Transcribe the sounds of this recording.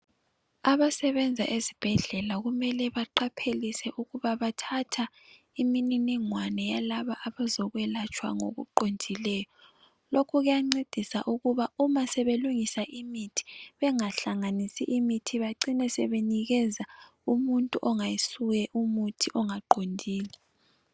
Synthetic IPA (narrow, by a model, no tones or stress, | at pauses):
aβasɛβɛnd͡zʱa̰ʔezib̥ʱɛɮɛlaɣumɛlɛβaǃapʰelisɛʔuɣuβaβatʰatʰa | imininiŋwanɛjalaβaʔaβazɔɣwɛlat͡ʃʼwa̰ŋo̰ɣṵǃond͡ʒʱilɛːjɔ | lokʰuɣujaŋ͡ǀed̥ʱisa̰ʔuɣuβaumasɛβeluŋisaʔimitʰi̥βɛŋaɬaŋanisḭʔimitʰiβaǀinɛsɛβeniɣɛza | umuntʼuʔɔŋajisuɣɛʔumutʰiʔɔŋaǃondʱiːlɛ | s